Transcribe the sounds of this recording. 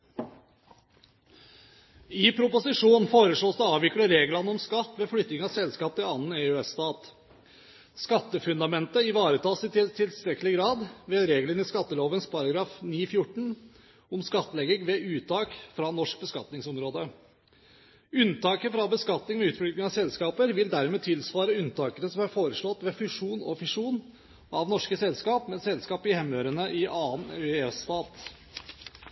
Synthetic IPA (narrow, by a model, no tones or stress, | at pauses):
ɪpʰɾʊpʊsɪʂuːnfoːɾəʂɭoːsd̪ɛɑːʋʋɪkləɾeːɡlənəɔmskɑt̪ːʋeːflʏt̪ːnɪŋɑsɛlskɑːp̚t̪ʰɪlɑnːn̩eʉɛst̪ɑːt̪ | skɑt̪ːəfʉnd̪ɑmɛnt̪əɪʋɑːɾət̪ʰɑːsɪt̪t̪ʰɪlst̪ɾɛkːlɪɡɾɑːd̪ʋeːɾeːɡlənɪskɑt̪ːəloːʋənspʰɑɾɑɡɾɑːfniːfjʊʈːɳ̩ | ɔmskɑt̪ːəlɛɡɪŋʋɛʉːt̪ʰːɑːkfɾɑnɔʂk̚bəskɑ̰t̪nɪŋsɔmɾoːd̪ə | ʉnt̪ʰɑːkəfɾɑbəskɑt̪nɪŋʋɛʉːt̪flʏk̪nɪŋɑsɛlskɑːpəɾʋɪld̪æɾmeːt̪ʰɪlsʋɑːɾəʉnt̪ʰɑːkəɾəsɔmɑɾfoːɾəʂɭɔt̪ːʋɛfʉʂuːnɔ̰fʉʂuːn | ʔɑʋnɔʂkəsɛlskɑːpmɛsɛlskɑːpɪhɛmːøːɾənəʔɪʔɑːnɛst̪ɑːt̪